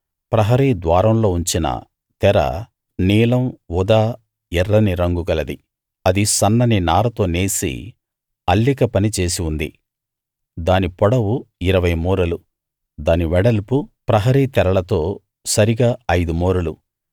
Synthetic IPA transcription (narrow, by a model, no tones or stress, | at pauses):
pɾɐɦɐɾiːd̪ʋaːɾɐmlo̞ːuɲt͡ʃinɐ̰ | t̪ɛɾɐ̰ | niːlɐmʋud̪aː | ɛrːɐniɾɐŋɡuɡɐlɐd̪i | ɐd̪isɐnːɐninaːɾɐt̪o̞ːneːsḭ | ɐlːikɐpɐnit͡ʃe̞ːsiund̪ḭ | d̪aːnipɔɽɐwuiɾɐʋɐjmuːɾɐlu | d̪aːniʋɛɽɐlpupɾɐɦɐɾiːt̪ɛɾɐɭɐt̪o̞ː | sɐɾiɡaːɐjd̪umuːɾɐlu